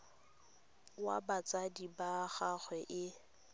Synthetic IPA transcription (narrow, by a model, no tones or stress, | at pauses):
wa̰bat͡sʼadibaχaɣwɛʔɪ